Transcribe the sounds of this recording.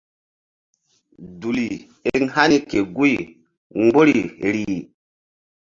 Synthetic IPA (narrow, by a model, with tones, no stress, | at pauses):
du˨li˨ | e˦˨˦ŋha˦ni˦ke˨ɡu˦i˨ | ŋɡ͡bo˦ɾi˨ɾi˨